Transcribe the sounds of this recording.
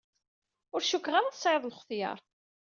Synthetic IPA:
ʊɾʃukːʁaɾaθsˤʕeðˤlχθjɑ̰ɾˤ

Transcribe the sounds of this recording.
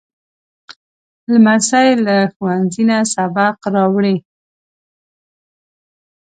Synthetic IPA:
lmasajlaxuwanzinasabaqɾɑwɽi

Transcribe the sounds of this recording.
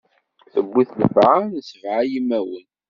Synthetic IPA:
θəbːiθləfʕanəsvʕajimæwə̰n

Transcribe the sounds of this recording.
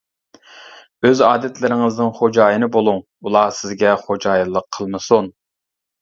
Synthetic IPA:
øzɑːd̪ɛt̪lɪɾɪŋɨznɪŋχod͡ʒɑːjinɨbolˠuŋ | ulˠɑsɪzɡʲɛχod͡ʒɑːjlˠːəqʰːəlˠmɨsun

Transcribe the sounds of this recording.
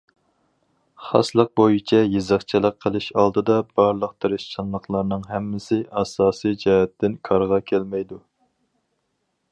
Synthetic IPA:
χɑ̰slˠəq̚bojit͡ʃʰɛjezɑχt͡ʃʰilˠəqʰːəlˠɪʃɑlˠd̪ɨd̪ɑb̥ɑɾlˠəqt̪ʰeɾɪʃt͡ʃʰɑnlˠəχlˠɑɾnɨŋɦɛmːɪsɪʔɑsɑːsijd͡ʒɑɦɛt̪ːɪnkʰɑɾʁɑkʲʰælmɛjd̪u

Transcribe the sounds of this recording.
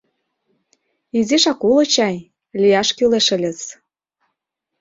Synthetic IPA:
iziʃɑkulɤ̆t͡ɕɑj | lʲijɑʃkyleʃə̆lʲə̆t͡s

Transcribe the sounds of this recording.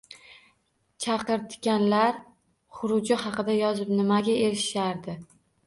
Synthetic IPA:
t͡ʃʰɑqɨɾt̪ʰɪ̥ɡʲanlaɾ | χʊɾʊd͡ʒɪhɑqɨd̪ajɒzɪpnɪmaɡʲae̞ɾɪʃaɾd̪ɪ

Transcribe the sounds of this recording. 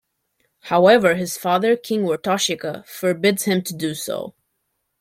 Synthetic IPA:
haʊɛvə˞ɨz̥fɑðə˞kʰɪ̃ŋwɔɹtʰɑʃɪkəfə˞bɪdz̥hɨ̃mtʰɨdɨso̰ʊ

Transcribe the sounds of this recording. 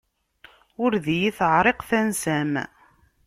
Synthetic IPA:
ʊɾðijiθəʕɾˤeqθænsæm

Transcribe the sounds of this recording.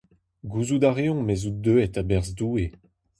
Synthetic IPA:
ɡuzud̪aʁeɔ̃mezud̪øɛtabɛʁzdue

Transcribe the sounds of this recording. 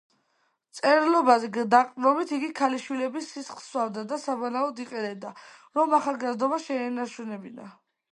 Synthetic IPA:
t̪sʼɛɾlˠɔbazɛɡd̪aqʼɾɔbit̪ʰiɡikʰaliʃwilɛbisːisχswavd̪ad̪asabɔnaɔd̪iqʼɛnɛb̚d̪a | ɾɔmaχalˠɡazd̪ɔbaʃɛːnat͡ʃʰɛnɛbina̰

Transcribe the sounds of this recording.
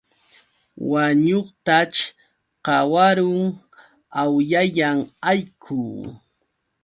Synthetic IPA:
waɲoχt̪at͡ʃ | qɑwaɾʊŋ | awjaʎaŋajkʰʊː

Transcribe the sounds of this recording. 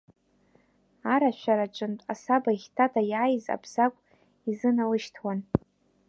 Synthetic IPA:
aɾaʃʷᶣaɾat͡ʃʼɨntʼa̰sabaχʲtʰatʰʼajaːjza̰bʰz̥akʷʼ | izɨnalɨʃtʰwan

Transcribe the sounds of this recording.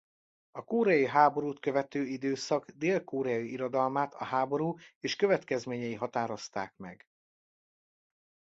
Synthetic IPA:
ɒkoːɾɛjiɦaːbo̞ɾuːt̪kø̞vɛt̪øːid̪øːsɒɡd̪eːlkoːɾɛɒjiiɾo̞d̪ɒlmaːt̪ɒɦaːbo̞ɾuːeːʃkøvɛt̪kɛzmeːɲɛjiɦɒt̪aːɾo̞st̪aːkmɛ̰ɡ

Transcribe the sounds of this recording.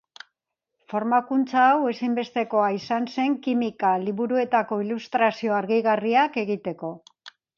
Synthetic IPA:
fo̞ɾmakunt͡saːwe̞simbe̞st̪e̞ko̞aisanse̞ŋkimikaliβuɾue̞t̪ako̞ilust̪ɾasio̞aɾɣiɣariake̞ɣit̪e̞ko̞

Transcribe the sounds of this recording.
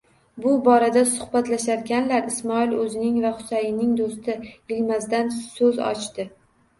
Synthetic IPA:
bʊbɒɾad̪asʊ̥hbat̪laʃaɾɡʲanlaɾɪsmɒilɵzɪnɪŋvaχʊ̥sajɪnɪŋd̪ost̪ʰɪɪlmazd̪ansɵzɒ̰t͡ʃt̪ɪ

